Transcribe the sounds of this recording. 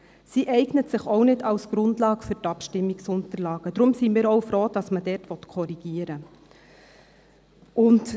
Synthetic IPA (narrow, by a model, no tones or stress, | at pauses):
siʔɛɪɡ̥nətsɪχɔwnɪdɑwsɡ̥ɾʊndlɑːɡ̥fʏɾtɑpʃtɪmːiksʊntəɾlɑːɡ̥ədɾʊmsimiːɾɔwfɾoːd̥ɑsmədɛtʋɔtkʰɔɾiɡ̥iəɾə | ʊnt